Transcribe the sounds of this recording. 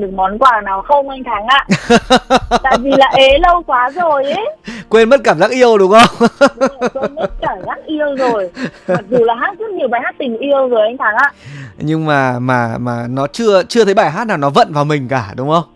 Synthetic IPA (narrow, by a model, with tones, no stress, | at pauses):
ɗɨ˨˩ə˩k̚mɔ˨˦nkwaː˨˩naː˨˩wxə˧wŋ͡mʔa˧jŋ̟t̪ʰa˨˦ŋʔaː˧˨ | t̪a̰ː˧˨vi˨˩laː˨˩ʔe˨˦lə˧wkwaː˨˦zo˨˩jʔe˨˦kwe˧nmə˦˥t̚kaː˧˩mzaː˦˥k̚ʔi˧əwɗʊ˨˦ŋ͡mʔə˧wŋ͡m | e˧nmə˥t̚kaː˧˩mzzaː˦˥k̚ʔi˧ə˧wzo˨˩jma˨˩zu˨˩laː˨˩ɦaː˦˥t̚zə˦˥t̚ɲi˨˩əwɓaː˨˩jhaː˦˥t̚t̪ï˨˩ŋ̟ʔi˧ə˧wzəː˨˦jʔa˧jŋ̟t̪ʰaː˨˦ŋʔaː˧ʔɲɨ˧ŋmaː˨˩maː˨˩maː˨˩nɔ˨˦t͡ɕɨ˧ət͡ɕɨ˧ət̪ʰə˨˦jɓaː˧˩jɦaː˦˥t̚naː˨˩wnɔ˨˦və̰˧˨nvaː˨˩wmï˨˩ŋ̟kaː˧˩ɗʊ˨˦ŋ͡mʔə˧wŋ͡m